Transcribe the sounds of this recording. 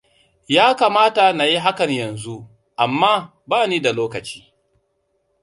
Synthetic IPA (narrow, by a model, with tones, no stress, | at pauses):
jaː˦ka˨maː˦ta˨na˨ji˦ɦa˦kɐ˨ɲjɐ˨nzu˦ | ʔa˨mːaː˦ | baː˦niː˦da˨loː˦kɐ˨t͡ʃi̥ː˦